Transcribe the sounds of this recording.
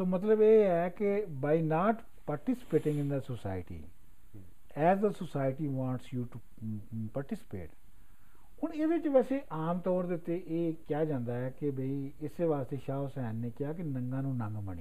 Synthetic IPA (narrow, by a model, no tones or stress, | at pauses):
soːmət̪ləbeːɛːkebaːinaːʈ | paːɾʈɪsɪ̥peːʈɪ̃ŋɡɪ̃nd̪əsəsa̰ːɪʈḭː | ɛːzd̪əsəsaːɪʈiːʋãːɳʈsjuːʈu | paːɾʈɪsɪ̥pḛːʈ | hʊɳeːʋ̪ɪt͡ʃʋɛːseːʔaːmt̪ɔːɾd̪eːʊt̪ːeʔeːkjaːd͡ʒãːnd̪aːɛːkebeiːɪseːʋaːst̪eːʃaːsɛ̃ːnːeːkɪjaːkenə̃ŋɡãːnũːnə̃ŋɡməɳḭː